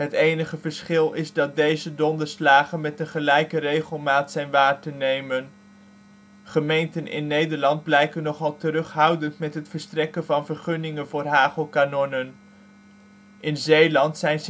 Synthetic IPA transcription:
ɦətejnəχəvəɹsχɪlˠɪzdɑt̚dejzədɔndəɹslaːχənmɛtəχəlɛjkərejχəlˠmaːtsɛjnʋaːɹtənejmən | χəmejntənʔɪ̰nːejdəɹlɑnd̚blɛjkənːɔχɑlˠtərɵχɦʌwdəntmɛtɦətfəɹstrɛkənvɑnvəɹχɵnɪŋənvʊːrɦaːχəlˠkaːnɔnən | ʔɪnzejlɑntsɛjn

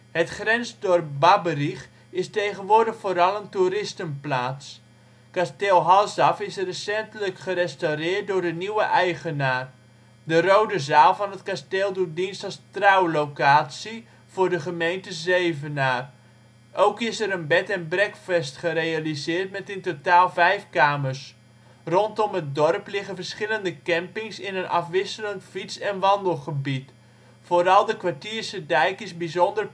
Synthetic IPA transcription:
hətχrɛnsdɔrp̚babəriχ | ɪstejχənʋʊːrdəχfoːɾɑlˠəntuɾɪstənplaːs | kasteːlˠɦɑlˠsɑfɪsrəsɛntələkχəɾɛstawrɪːrt̚dʊːrdəniwəʔɛjχənaːr | dərowdəzaːlˠvɔnɦətkasteːlˠdudinstɔstrawlowkaːsi | v̥ʊːrdəχəmejntəzeːvənaːr | ʔowkɪsɛɾənbɛtɛnbrɛkfɛstχəɾejalizɪːrtmɛtɪntotaːlˠvɛjfkaːmərs | rɔntɔmət̚dɔrplɪɣənvərsχɪləndəkɛmpɪŋsɪnənʔɑ̰fʋɪsələntfitt͡sɛnʋɑndəl̩ˠχəbit | foːɾɑlˠdəkʋartiːrsədɛjkɪsbizɔndər

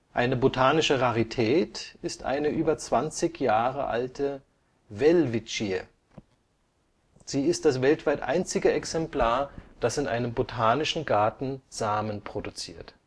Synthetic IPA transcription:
ʔaɪnəbotʰaːnɪʃəʁaʁitʰɛːtɪstʔa̰ɪnəʔyːbɐt͡sv̥ant͡sɪçjaːʁə̰ʔa̰ltʰə | vɛlvit͡ʃiə | z̥iːɪst̚d̥asv̥ɛltv̥aɪtʔa̰ɪnt͡sɪɡəɛksɛmpl̥aːɐd̥asɪnʔa̰ɪnəmbotʰaːnɪʃn̩ɡaɐtn̩z̥aːmənpʁ̥odut͡sḭːɐt

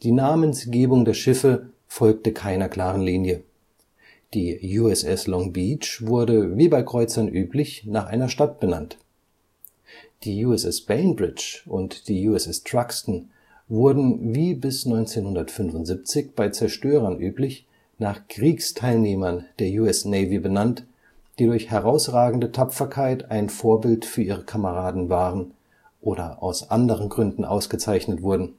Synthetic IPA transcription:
d̥iːnaːmənsɡ̥eːbʊŋdeːɐʃɪfə | fɔlk̚təkʰaɪnɐkl̥aːʁənliːnjə | d̥iːjuːɛsɛslɔŋbiːt͡ʃvʊɐdəviːbaɪkʁ̥ɔʏt͡sɐnʔyːplɪçnaːχʔaɪnɐʃtat̚b̥ənant | d̥iːjuːɛsɛsb̥ɛɪnbʁɪt͡ʃʔʊntd̥iːjuːɛsɛstʁ̥akstn̩ | vʊɐdn̩viːbɪsnɔʏnt͡seːnhʊndɐtfʏnvʊntz̥ip̚t͡sɪçb̥aɪt͡sɛɐʃtøːʁɐnʔyːplɪç | naːχkʁ̥iːkstʰaɪlneːmɐnd̥eːɐjuːɛsnɛɪvibənant | d̥iːɾʊɐçhɛʁaʊsʁaːɡŋ̩dətʰapfɐkʰaɪtaɪnfoːɐbɪltfyːɐʔiːʁəkʰaməʁaːdn̩vaːʁən | ʔoːdɐʔa̰ʊsʔandəʁənɡʁʏndn̩ʔa̰ʊsɡ̥ət͡saɪçnətv̥ʊɐdn̩

